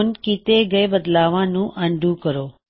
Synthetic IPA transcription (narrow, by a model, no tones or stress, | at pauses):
nkit̪eɡəjbəd̪laʋãnũʔə̃ɳɖʱũkəɾoː